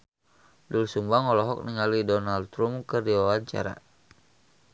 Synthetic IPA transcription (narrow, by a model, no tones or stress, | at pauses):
dulsumbaŋɔlɔɦɔk̚niŋalidɔnaldt̪ɾumkərdiwawaɲt͡ʃa̰ɾa̰